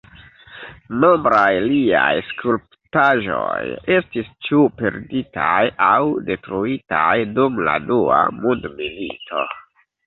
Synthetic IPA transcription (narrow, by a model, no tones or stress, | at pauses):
no̞mbɾajliajskʰulp | taʒo̞je̞stist͡ʃupe̞ɾditʰajawde̞tɾuitajdumla̰dua̰mundmilḭtʰo̞